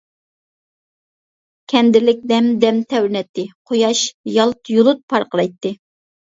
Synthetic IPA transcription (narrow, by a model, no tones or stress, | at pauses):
kʲʰɛnd̪ɪlɪk̚ʲd̪ɛmd̪ɛmt̪ʰɛwɾɪnɛt̪ːɨqʰojɑʃjɑlˠt̪jolˠʊt̪̚pʰɑɾqəɾɑjt̪ːɨ